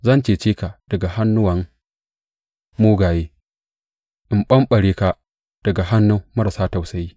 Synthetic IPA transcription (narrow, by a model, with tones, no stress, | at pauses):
zɐ˦nt͡ʃeː˨t͡ʃeː˦ka˨d̥ɐ˨ɡa˨ha˦nːʊ˦wɐ˨ŋ | moː˦ɡaː˨jeː˦ | ʔɪ˨mɓɐ˦mɓɐ˨ɽeː˦ka˨ | d̥ɐ˨ɡa˨ɦa˦nːu˦mɐ˦ɾa˨saː˦ta˨wsɐ˨jiː˦